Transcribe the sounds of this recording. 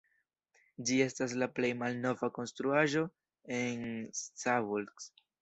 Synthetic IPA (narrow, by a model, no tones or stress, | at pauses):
d͡ʒie̞stas̬laple̞jmalno̞vako̞nstɾuaʒo̞ | e̞nstavulɡs